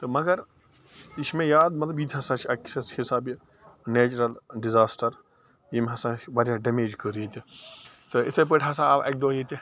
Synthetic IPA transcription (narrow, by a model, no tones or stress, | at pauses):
t̪ɨmɐɡɐɾ | ismẽjaːd̪mɐt̪lɐbiːt̪ʰʲɦɐsãːt͡ʃʰiɐksɐshisaːbi | neːt͡ʃɾɐlɖizaːsʈɐɾ | jimɦɐsãbaɾaɖemeːd͡ʒkəɾit̪it̪ɨɪt̪ʰep̬əʈʰʲɦɐsãːɐbɐk̚d̪oːit̪i